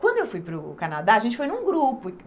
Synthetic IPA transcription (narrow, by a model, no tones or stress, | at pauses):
kwɐ̃nd̪ʊewfujpɾʊkanad̪aɐʒẽnt͡ʃɪ̥fojnũɡɾupʊ